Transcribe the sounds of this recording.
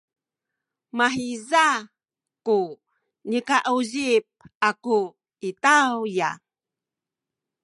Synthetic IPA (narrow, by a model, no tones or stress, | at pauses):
maɦiza | ku | nikaʔuʑip̚aku | itawja̰